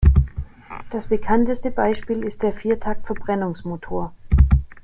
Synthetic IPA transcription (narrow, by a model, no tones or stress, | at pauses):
d̥asb̥əkʰantəstəbaɪʃpiːlɪst̚d̥eːɐfiːɐtʰak̚tfɛɐbʁɛnʊŋsmotʰoːɐ